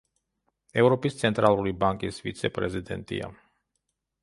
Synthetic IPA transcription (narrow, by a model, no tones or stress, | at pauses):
ɛvɾɔpʼist̪sʰɛnt̪ʼɾalˠuɾibaŋkʼisvḭt̪sʰɛpʼɾɛzid̪ɛ̰nt̪ʼḭa̰